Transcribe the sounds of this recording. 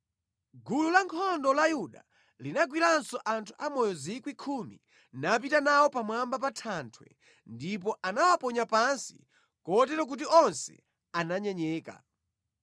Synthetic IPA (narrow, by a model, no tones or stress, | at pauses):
ɡululaŋkʰɔndɔlajuɗa | linaɡwilansɔʔantʰu̥ʔamɔjɔzikwikʰumi | nap̬itanawɔpamwambapatʰantʰwɛ̰ | ndip̬ɔʔanawapɔɲapansi̥̰ | kɔtɛɾɔk̬ut̬iɔnsɛ̰ | anaɲɛɲɛːka̰